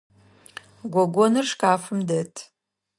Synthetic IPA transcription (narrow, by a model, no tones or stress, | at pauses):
ɡʷoɡʷonɨrʂkʼaːfɨmdetʰʼ